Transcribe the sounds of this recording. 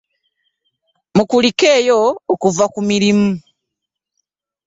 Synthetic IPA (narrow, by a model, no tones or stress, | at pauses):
mukulike̞ːjoːkuvakumiɾimu